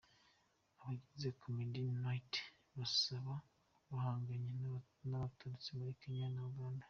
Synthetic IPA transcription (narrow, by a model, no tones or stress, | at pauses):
aβaɟize̞kʰumidinait | βasaβa | βahaːŋɡaɲe | naβatuɾut͡simuɾikiɲanaɡaːndḁ